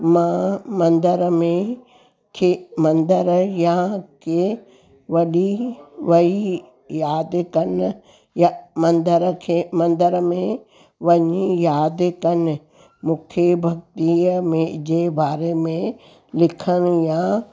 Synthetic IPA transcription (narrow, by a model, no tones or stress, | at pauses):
mãːmɐ̃nd̪əɾmẽ | kʰemɐ̃nd̪əɾjɐɦãke | ʋɐɗiʋɐi | jaːd̪kɐn | jamɐ̃nd̪əɾkʰemɐ̃nd̪əɾmẽ | ʋɐɲijaːd̪kɐn | mʊ̃kʰjəbʱɐkt̪imẽd͡ʑebaːɾemẽ | lɪkʰənjaa